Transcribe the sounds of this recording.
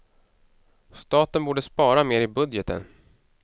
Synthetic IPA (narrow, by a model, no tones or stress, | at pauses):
st̪ɑːt̪ənbuːɖəspɑːɾameːɾɪbɵd̪jət̪ə̰n